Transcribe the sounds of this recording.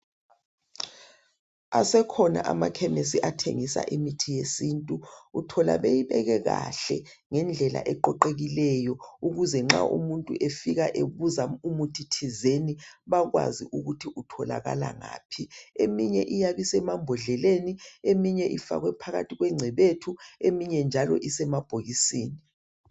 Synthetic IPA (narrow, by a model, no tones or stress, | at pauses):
asɛkʰɔna̰ʔamakʰɛmesiʔatʰḛŋisa̰ʔimitʰijesiːntʼuutʰɔla̰βejiβɛɣɛɣa̰ɬɛ | ŋɛnd͡ɮʱɛla̰ʔɛǃɔǃeɣilɛjɔuɣuzɛŋ͡ǁa̰ʔṵmuntʼṵʔefiɣaʔeβuzaumutʰitʰizeniβaɣwa̰ziʔuɣutʰiʔutʰɔla̰ɣa̰la̰ŋa̰ːpʰiemiɲɛʔijaβisɛmambʱɔɮɛleniemiɲɛʔifa̰ɣwɛpʰaɣa̰tʰiɣwɛŋ͡ǀʱɛβetʰuemiɲɛnd͡ʒʱalɔ̰ʔisɛmab̥ʱoɣisiːni